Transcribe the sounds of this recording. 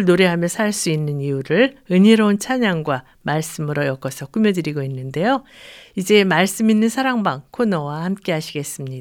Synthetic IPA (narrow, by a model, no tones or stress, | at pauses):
ɭnoɾeɦamjʌsʰaɭs͈uinːɯniuɾɯɭɯɲiɾʌunt͡ɕʰaɲaŋɡwa | maɭs͈ɯmɯɾojʌk͈ʌsʰʌk͈umjʌdɯɾiɡoinːɯnde̞joid͡ʑe̞maɭs͈ɯminːɯnsʰaɾaŋbaŋkʰonʌwahamk͈e̞ɦaɕʰiɡe̞s͈ɯmɲida